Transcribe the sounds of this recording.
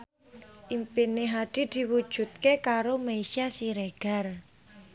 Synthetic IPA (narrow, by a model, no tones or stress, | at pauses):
ʔimpineɦaɖ̪̥i̤d̪̥i̤wud̥ʒ̥ṳt̪̚kekaɾomeiʃiasiɾeɡ̥a̤r